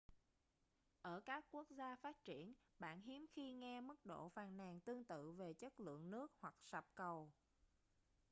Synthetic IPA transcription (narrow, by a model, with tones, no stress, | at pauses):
ʔəː˧˩kaː˦˥kːu˦˥ək̚zaː˧faː˦˥t̚t͡ɕi˧˩ənɓa̰ː˧˨nɦi˨˦əmxi˧ŋɛ˧mɨ˦˥k̚ɗo̰˧˨faː˨˩nnaː˨˩ŋt̪ɨ˧əŋt̪ɨ̰˧˨ve˨˩t͡ɕə˦˥t̚lɨ̰˧˨əŋnɨ˦˥ək̚hwa˨˩k̚sa˨˩p̚kə˨˩w